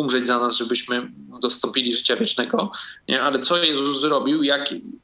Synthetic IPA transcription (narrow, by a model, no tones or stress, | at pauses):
umʐɛd͡ʑzanazʐɛbɘɕmɘ | d̪ɔst̪ɔ̃mpʲilʲiʐɘt͡ɕavʲjɛt͡ʂnɛɡɔɲɛ̰ʔalɛt̪sɔjɛzuzzɾɔbʲiwjak